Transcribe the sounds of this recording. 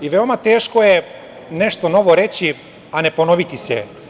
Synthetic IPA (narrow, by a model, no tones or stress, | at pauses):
iʋeomat̪eːʃkoje | neʃt̪onoʋoɾet͡ɕi | aneponoʋit̪isɛ̰